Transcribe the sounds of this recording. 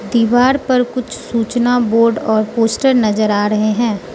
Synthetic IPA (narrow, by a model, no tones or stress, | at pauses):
d̪iːʋaːɾpɐɾkʊt͡ʃʰsuːt͡ʃnaboːɾɖɔːɾpoːsʈəɾnɐzəɾaːɾɐɦeɦɛ̃ː